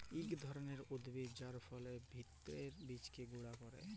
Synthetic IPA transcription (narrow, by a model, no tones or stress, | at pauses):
ikd̪ʱɔɾoneɾod̪bid͡ʑaɾfɔlebʱit̪ːɾeɾbit͡ɕkeɡuɽakɔɾḛ